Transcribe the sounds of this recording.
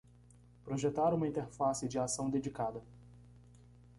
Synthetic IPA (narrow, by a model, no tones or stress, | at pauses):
pɾoʒet̪aɾũmɐĩnt̪eɾfasɪd͡ʒɪasɐ̃w̃d̪ed͡ʒikad̪ɐ